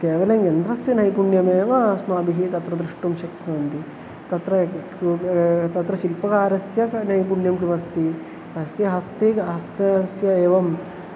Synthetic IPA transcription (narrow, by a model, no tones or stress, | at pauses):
keːʋɐlɐŋjɐnd̪ɾɐst̪ɐnɐjpuɳjɐmeːʋɐsmaːbiɦit̪ɐt̪ɾɐd̪ɾiʂʈumʃɐkʰːɐnt̪i | t̪ɐt̪ɾɐ | t̪ɐt̪ɾɐʃilpɐkaːɾɐsjɐnɐjpuɳjɐmkimɐst̪i | ɐst̪iɦɐst̪eɐst̪ɐsjɐeːʋɐm